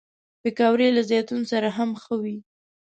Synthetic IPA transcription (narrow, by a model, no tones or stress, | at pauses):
bekɑwɾelazjɑt̪unosaɾaɦamxəwi